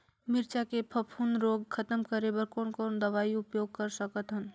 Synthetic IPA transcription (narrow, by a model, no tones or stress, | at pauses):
mɪɾt͡ʃakepʰəpʰuːnɾoːɡkʰət̪əmkəɾebəɾkoːnkoːnd̪əʋaːiʊpjoːɡ̚kəɾsəkət̪ɦən